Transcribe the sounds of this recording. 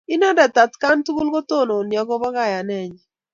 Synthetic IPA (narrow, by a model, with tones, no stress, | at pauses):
ɪ˦nɔ˦dɛ˨ta˨tka˦ntu˦ɡʊ˦lko˦to˦˨no˨njɔ˨ɡɔ˦bɔ˦ka˦˨ja˨nɛ˦˨ɲ